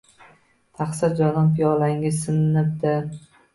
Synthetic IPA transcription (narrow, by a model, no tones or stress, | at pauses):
t̪ʰɑχsɪɾd͡ʒɒd̪ɒnpijɒlˠaɪŋʲɪzsɪnnɪp̚d̪ɪ